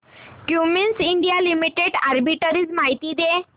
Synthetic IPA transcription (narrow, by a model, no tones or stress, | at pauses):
kjuminsiɳɖijalimiʈeɖaɾbiʈəɾit͡smaɦit̪id̪e